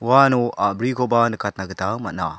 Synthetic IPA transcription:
wanoʔabɾikobanɯkat̚naɡɯtamat̚na̰

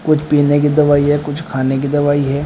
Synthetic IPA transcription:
kʊt͡ʃʰpiːnek̬id̪ɐʋaːiɦɛkʊt͡ʃʰkʰaːnek̬id̪ɐʋaːiɦɛː

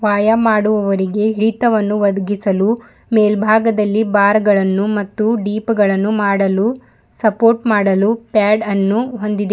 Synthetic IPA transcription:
ʋaːjɐmaːɽuʋɐʋɐɾiɡe̞ɦiɭit̪ɐʋɐnːuʋɐd̪ɐɡisɐlu | meːlbʱaːɡɐd̪ɐlːibaːɾɡɐɭɐnːumɐt̪ːuɖiːpɡɐɭɐnːumaːɽɐlu | sɐpoːɾʈmaːɽɐlupaːɖɐnːuɦond̪id̪e

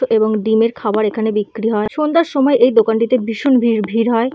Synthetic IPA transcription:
oʔeboŋɖimeɾkʰabaɾekʰanebikːɾiɦɔeʃond̪aɾʃɔmɔeʔejd̪okaɳʈit̪ebiʃonbʱiɾbʱiɾɦɔe

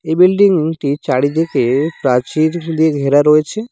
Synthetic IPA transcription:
ebilɖiŋʈit͡ʃaɽid̪ekepɾat͡ʃiɾd̪ieɡʱeɾaɾɔet͡ɕʰe

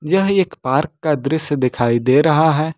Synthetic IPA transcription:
jɐɦeːkpaːɾkːad̪ɾɪsjd̪ɪkʰaːid̪eːɾɐɦaɦɛː

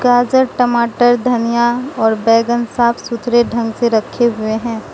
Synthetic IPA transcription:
ɡaːd͡ʒəɾʈəmaːʈəɾd̪ʱɐnijaɔːɾbɛːɡənsaːpʰsʊt̪ʰɾeɖʱɐ̃ŋɡseɾɐkʰːeɦʊeɦɛ̃ː

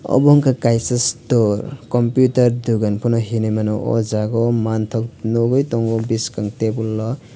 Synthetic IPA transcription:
ɔ̰bɔŋkakajsastɔɾkɔmpjutaɾduɡanpʰɔnɔɦinijmanɔʔɔ̰zaɡɔmantʰɔk̚nɔɡɔjtɔŋɡɔbiskaŋtebulːɔ

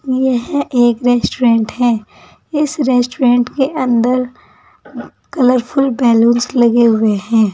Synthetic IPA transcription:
jeɦɛ̃ʔeːkɾeːsʈuɾẽːɳʈhɛ̃ː | ɪsɾeːsʈuɾẽːɳʈkeʔɐ̃nd̪əɾ | kɐləɾpʰʊlbɛːlõːnslɐɡeɦʊeɦɛ̃ː

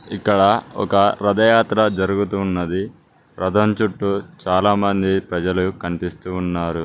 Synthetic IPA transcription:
ikːɐɽɐɔ̰kɐɾɐd̪ɐjaːt̪ɾɐd͡ʒɐɾuɡut̪uːnːɐd̪i | ɾɐd̪ʱɐmt͡ʃuʈːut͡ʃaːlaːmɐnd̪ipɾɐd͡ʒɐlukɐnipist̪uːnːaːɾu

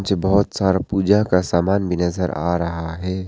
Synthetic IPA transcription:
t͡ʃbɐɦʊt̪saːɾapuːd͡ʒakasaːmaːnbʱinɐzəɾa̰ːɾɐɦaɦɛː

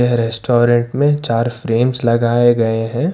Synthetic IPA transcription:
eɦɾɛsʈoːɾə̃ɳʈmẽt͡ʃaːɾfɾeːmzlɐɡaːeɡɐeɦɛ̃ː

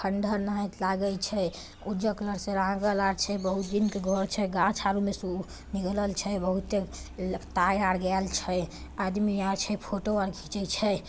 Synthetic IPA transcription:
kʰəɳɖʱəɾnaɦt̪laɡəlt͡ʃʰɛ | ud͡ʒəkləɾsẽɾãɡəlaɾt͡ʃʰɛbəɦut̪d̪inkeɡʱɔɾt͡ʃʰɛɡat͡ʃʰaɾumesu | niɡləlt͡ʃʰɛbəɦut̪ːet̪ajaɽɡɛlt͡ʃʰɛ | ad̪miaɾt͡ʃʰɛpʰoʈoəɾɡʰʱit͡ʃət͡ʃʰɛ

